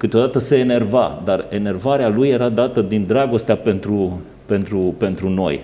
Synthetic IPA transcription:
kɨt̪eo̞d̪at̪əseːne̞rva̰d̪are̞ne̞rvaɾealuje̞ɾad̪at̪əd̪ind̪ɾaɡo̞st̪eape̞nt̪ɾu | pe̞nt̪ɾupe̞nt̪ɾuno̞̰j

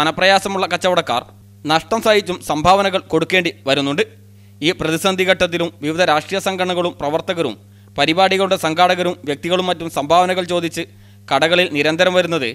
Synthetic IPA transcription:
ɐnɐprɐjaːsɐmuɭːɐkɐt͡ɕːɐʋɐɽɐkːa̰ːr | nɐʂʈɐmsaːjit͡ɕːumsɐmbʱaːʋɐnɐɣɐɭko̞ɽukːeːɳɖiʋɐɾunːuɳɖɨ | iːprɐðisɐnd̪ʱiɣɐʈːɐt̪̬ːilumʋiʋɐd̪ʱɐɾaːʂʈrijɐsɐŋɡʱɐɳɐɣɐɭumprɐʋɐrt̪ɐɣɐɾṵm | pɐɾibaːɽiɣɐɭuɳɖesɐŋɡʱaːɽɐɣɐɾumʋjɐk̚t̪iɣɐɭumːɐtːumsɐmbʱaːʋɐnɐɣɐɭt͡ɕo̞ːd̪ʱit͡ɕːɨ | kɐɽɐɣɐɭilniɾɐnd̪ʱɐɾɐmʋɐɾunːɐðɨ

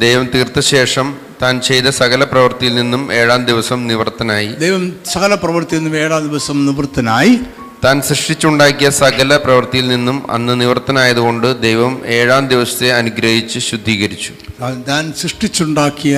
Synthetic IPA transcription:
d̪ejʋɐmt̪iːrt̪ːɐɕe̞ːʂɐm | t̪aːnt͡ɕe̞jt̪ɐsɐɣɐlɐprɐʋɐrt̪ijilninːume̞ːɻaːmd̪iʋɐsɐmniʋɐrt̪ːɐnaːjid̪ejʋɐmsɐɣɐlɐprɐʋɐrt̪ijinːumeːɻaːmd̪iʋɐsɐmniʋɐrt̪ːɐnaːji | t̪aːnsrɨʂʈit͡ɕːuɳɖaːkːijɐsɐɣɐlɐprɐʋɐrt̪ijilninːumɐ̰nːɨniʋɐrt̪ːɐnaːjɐðuɣo̞ɳɖɨd̪ejʋɐme̞ːɻaːmd̪iʋɐsɐ̥t̪ːe̞ɐnuɡɾɐɦit͡ɕːɨɕud̪ʱːiːɣɐɾit͡ɕːu̥t̪aːnsriʂʈit͡ɕːuɳɖaːkːijɐ

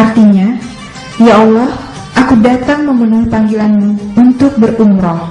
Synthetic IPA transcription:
art̪iɲa | jaɔlɔh | ʔakudat̪aŋməmunuhpaŋɡilanmuunt̪ʊk̚bəruŋɾɔ

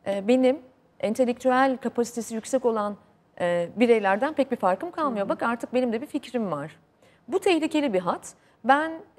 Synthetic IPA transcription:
ɛːbe̞nim | ɛnt̪ʰe̞lʲːɛk̚t̪ʰyælʲkʰapʰasi̥t̪ʰe̞sijycsɛco̞lˠanː | biɾejlʲæɾd̪ænpʰɛc̚bifaɾkɯmkʰalˠmɯjo̞bakaɾt̪ʰɯk̚be̞nimd̪ɛbificɾimvaɾ̥ | but̪ʰɛçlʲicʰe̞lʲibiɦat̪ | bæn

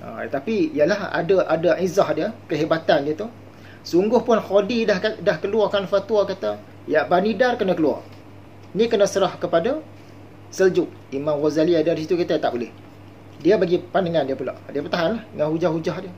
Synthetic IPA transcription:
ʔa̰t̪apijəlaha̰daʔadaʔizahdiəkəɦebat̪andiət̪u | suŋɡʊhpʊnhodidahadahkəluarkanfat̪uakat̪a | jaʔbanidarkənəkəlua̰r | nĩkənəsəɾahkəpada | səld͡ʒʊk̚imãmɣozaliadadisit̪ukit̪at̪aʔbolɪh | diəbaɡipandaŋãndiəpula̰ʔdiəpərt̪aɦanlahəŋanhud͡ʒahud͡ʒaɦdiə

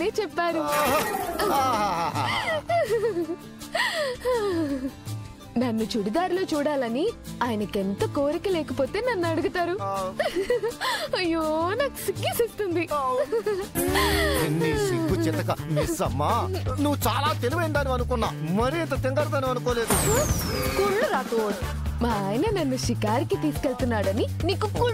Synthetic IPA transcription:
neːt͡ʃɛpːaːɾu | aɦaːɦaɦ | nɐnːut͡ʃuɽid̪aːɾlo̞ːt͡ʃuːɽaːlɐniaːjɐnɐkent̪ɐkoːɾikilɛːkɐpo̞ːt̪e̞ːnɐnːuɐɽuɡut̪aːɾu | ɐjoːnaːku̥siɡːisist̪und̪i | inːisiɡːut͡ʃit̪ɐkɐmisɐmːaːnuʋːut͡ʃaːlaːt̪eliʋɐjnd̪aːniʋɐnukunːaːmɐɾiɛnt̪ɐt̪iŋɡaɾd̪ɐniʋɐnukoːle̞ːd̪u | kuɭːuɾaːt̪oːɽu | maːjnɐnɐnːuʃikaːɾikit̪iːsu̥keɭt̪unːaːɽɐniniːkuku

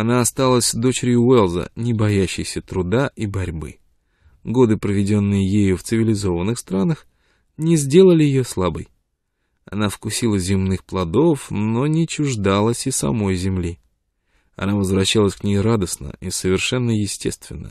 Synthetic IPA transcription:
ɐnaɐst̪alˠəsʲd̪o̞t͡ɕɪɾʲjʊɛlˠzə̰nʲɪbɐjæɕːɪjsʲət̪ɾʊd̪aʔibɐɾʲbɨ̰ | ɡo̞d̪ɨpɾəvʲɪdʲo̞nːɨjəjejʊft̪sɨvʲɪlʲɪzo̞vənːɨxst̪ɾanəx | nʲɪzʲdʲelˠəlʲɪjɪjoslˠabəj | ɐ̰nafkʊsʲilˠəzʲɪmnɨxplˠɐd̪o̞fno̞nʲɪt͡ɕʊʐd̪alˠəsʲɪsɐ̰mo̞jzʲɪmlʲi | ɐ̰navəzvɾɐɕːalˠəsʲknʲejɾad̪əsnə̰ʔisəvʲɪrʂɛnːəjɪsʲtʲest̪vʲɪ̰nːə̰

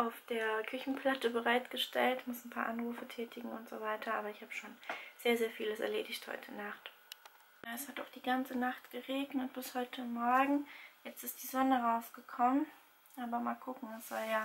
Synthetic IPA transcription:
ʔaʊfd̥eːɐkʰʏçn̩pʰl̥atəbəʁaɪtɡ̥əʃtʰɛ̰ltmʊsnpʰa̰ːɐʔanʁuːfətʰɛːtʰɪɡŋ̩ʊntz̥o̰vaɪtʰɐʔaːbɐɪçhaːbəʃoːnz̥eːɐzeːɐfiːləsɛ̰ɐleːdɪçthɔ̰ʏtʰənaχt | jaːɛshataʊχd̥iːɡant͡sənaχtɡ̥əʁeːɡnət̚b̥ɪshɔʏtʰəmɔɐɡŋ̩jɛt͡stɪst̚d̥iːzɔnəʁaʊsɡ̥əkʰɔmən | ʔaːbɐmaːlkʰʊkŋ̩ɛsz̥aɪjaː

